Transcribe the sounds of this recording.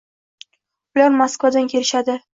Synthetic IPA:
b̥ʊlaɾmaskvad̪ankʲʰe̞lɪʃad̪ɪ

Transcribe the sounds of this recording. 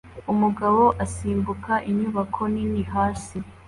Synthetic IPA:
umuɡaβo̞ʔasiːmbukaʔiɲuβakʰo̞niniɦaːsi

